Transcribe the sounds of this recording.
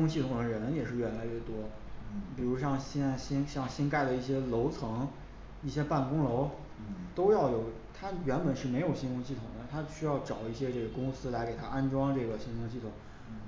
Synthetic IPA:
i˥kʊ˥ŋɕi˥˩t̪ʰʊ˨˩ŋd̪ə˦ɻə˨˩nə˧˥jɛ˨˩ʂɻ̩˥˧ɥɛ˥˩la˧˥ɥɛ˥˩t̪wɔ˥ | pi˨˩ɻu˧˥ɕɑ˥˩ŋɕɕi˥nɕjɑ˥˩ŋɕi˥nka˥˩ɪd̪ə˩i˥˩ɕjɛ˥lo˧˥ʊt͡sʰɤ˧˥ŋ | i˥˩ɕjɛ˥pa˥˩nkʊ˥ŋlo˧˥ʊ | t̪o˥ʊjɑ˥˩ʊjo˨˩ʊ | t̪ʰa˥ɥɛ˧˥npə˨˩nʂɻ̩˥˩me˧˥ɪjo˨˩ʊɕi˥nkʊ˥ŋɕi˥˩t̪ʰʊ̰˨˩ŋd̪ə˦t̪ʰa˥ɕy˥jɑ˥˩ʊʈ͡ʂɑ˨˩ʊi˥˩ɕjɛ˥ʈ͡ʂɤ˥˩ɡə˩kʊ˥ŋsɹ̩˥la˧˥ɪke˨˩ɪa˥ʔa˥nʈ͡ʂwɑ˥ŋʈ͡ʂɤ˥˩ɡə˩ɕi˥ŋkʰʊ˥ŋɕi˥˩t̪ʰʊ˨˩˦ŋ

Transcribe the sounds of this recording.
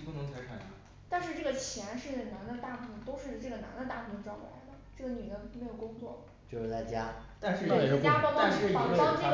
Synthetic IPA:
pu˥˩nɤ˧˥ŋtʰa˧˥ɪʈ͡ʂʰa˨˩n˧˥ | t̪a˥˧nʂɻ̩˥˧ʈ͡ʂɤ˥˩ə˩t͡ɕʰjɛ˧˥nʂɻ̩˥˩na˧˥nd̪ə˧t̪a˥˩kʰu˥˩t̪o˥ʊʂɻ̩˥˧ʈ͡ʂɤ˥˩ɡə˩na̰˧˥nd̪ə˧t̪a˥˧kʰu˥˩˧ʈ͡ʂɑ˥˩la̰˧˥ɪd̪ə˧ʈ͡ʂɤ˥˩ɡə˩ny˨˩d̪ə˦m˧˥ɪjo˨˩kʊ˥ŋt͡swɔ˥˩ | t͡ɕjo˥˧ʊʂ̩˥˩la˧˥˩ɪt͡ɕja˥t̪a˥˧nʂɻ̩˥˩˥t͡ɕja˥pkʂɻ̩˥˩ɑ˥˨˩ɑ˥ŋt͡ɕi˥

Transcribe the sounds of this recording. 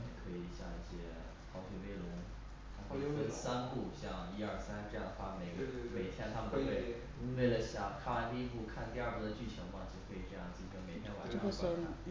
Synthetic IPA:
jɛ˨˩kʰɤ˧˥i˨˩˧ɕja̰˥˧i˥˩ɕjɛ˥ | xɑ˧˥ʊɕɥɛ˨˩pe˥˩ɪlʊ˧˥ŋ | a˧˥xʰo˥˧jo˧˥ə˨˩sa˥nku˥˩ɕjɑ˥˧ŋi˥ə˞˥˩sa˥nʈ͡ʂɤ˥˧jɑ˥˩ŋd̪ə˩xwa˥˩me˨˥ɪɡə˥˧e˨˩ɪ˩t̪ʰjɛ˥˩nt̪ʰa˥mə˨t̪o˥xwe˥˩ɪ | we˥˩ɪlə˩ɕjɑ˥˩kʰa˥˩˥t̪i˥˧i˥pu˥˧kʰa˥˧nt̪i˥˧ə˞˥˧˩p̪u˧˥˩d̪ə˧t͡ɕy˥˩t͡ɕʰɤ˧˥ŋfɑ˥ŋt͡ɕʰi˥˧˥xwe˥˩ɪ˩ʈ͡ʂɤ˥˧jɑ˥˩ŋt͡ɕi˥˩˧kə˥nme˨˩ɪt̪ʰjɛ˥nwa˨˥n˥o˥˩˥

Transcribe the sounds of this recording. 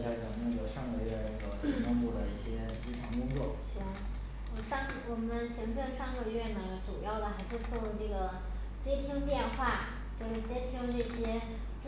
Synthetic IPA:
ɕja˥˩t͡ɕɑ˨˩˦nə˥˩ɡə˧˩ʂɑ˥˧ŋɡə˧ɥɛ˥˩la˧˥˩ɡ̪ə˧˥ɕi˧˥ŋʈ͡ʂɤ˥˧ŋp̪u˥˩d̪ə˩i˥˩ɕjɛ˥ | t͡ɕi˥ʈ͡ʂʰɑ˧˥ŋkʊ˥ŋt͡swɔ˥˩ʂ̩˥˩˧ | ʂɑ˥˧ŋwɔ˨˩mə˧˦nɕi˧˥ŋʈ͡ʂɤ˥˧ŋʂɑ˥˧ŋɡə˧ɥɛ˥˩nə˩ʈ͡ʂu˨˩jɑ˥˩ʊd̪ə˩xa˧˥ɪʂɻ̩˥˧t͡swɔ˥˧ku˥˧ʈ͡ʂɤ˥˩ɡə˩ | t͡ɕjɛ˥t̪ʰi˥ŋt̪̬jɛ˥˧nxwa˥˩ | t͡ɕjo˥˧ʊʂɻ̩˥˩t͡ɕjɛ˥t̪ʰi˥ŋlə˧nɤ˥˩ɕjɛ˥

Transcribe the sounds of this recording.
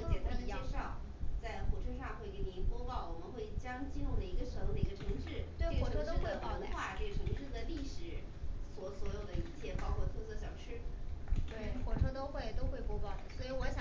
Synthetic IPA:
t͡ɕjɛ˨˩t̪ʰɛ˥ʂɑ˥˩ŋ | t͡sa˥˩ɪxwɔ˨˩ʈ͡ʂʰɤ˥ʂɑ˥˧ŋxwe˥˩ɪke˧˥nni˧˥npwɔ˥pɑ˥˩ʊwɔ˨˩mə˦nxwe˥˩ɪt͡ɕjɑ˥ŋt͡ɕi˥˧nɻʊ˥˩ŋd̪ə˩i˧˥ɡə˧ʂɤ˧˥ŋd̪ə˧˩i˧˥ɡə˧ʈ͡ʂʰɤ˧˥ŋʂɻ̩˥˩t̪we˥˩ɪ˥˩wʈ͡ʂʰɤ˥t̪o˥we˥˧ɪpɑ˨˩n˧˥xwa˥˧˩ʈ͡ʂɤ˥˩ɡə˩ʈ͡ʂʰɤ˧˥ŋʈ͡ʂ̩˥˧ʂɻ̩˥˧t͡sa˥˧li˥˩ʂɻ̩˨˩˦swɔ˧˥swɔ˧˥jo˨˩ʊd̪ə˦i˧˥t͡ɕʰjɛ˥˩pɑ˥ʊkʰwɔ˥˧t̪ʰwɤ˥˧sʰɤ˥˩ɕjɑ˨˩ʊʂʰɻ̩˥˩t̪we˥˩ɪxwɔ˨˩ʈ͡ʂʰɤ˥t̪o˥ʊxwe˥˩ɪt̪o˥ʊxwe˥˩ɪpwɔ˥pɑ˥˩ʊd̪ə˩swɔ˧˥i˧˥wɔ˧˥ɕjɑ˨˩

